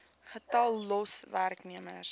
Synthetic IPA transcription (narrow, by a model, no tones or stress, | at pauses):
χətɑlˠːɔsværkniəmə̰r